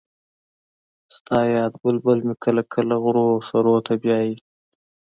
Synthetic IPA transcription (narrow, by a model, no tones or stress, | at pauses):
st̪ʰɑːjɑːd̪̚bəlbəlmikʰɐlɐkʰəlɐɣʊɾoːsɐɾoːt̪ʰabjɑːji